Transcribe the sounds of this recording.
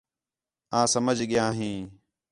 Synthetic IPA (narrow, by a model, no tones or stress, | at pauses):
ãːsəməd͡ʒʱɠɪjãːɦĩː